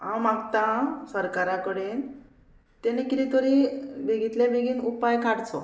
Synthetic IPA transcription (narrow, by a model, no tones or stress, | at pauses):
ãwmaɡt̪ãsəɾkaɾãkəɽen | t̪enikiɾit̪ɔɾibʱeɡit̪lẽbeɡiːnupajkaɽt͡sɔ